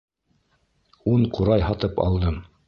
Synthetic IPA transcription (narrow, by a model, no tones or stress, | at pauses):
uɴquɾɑjɦɑt̪ɤpɑ̰lˠd̪ɤm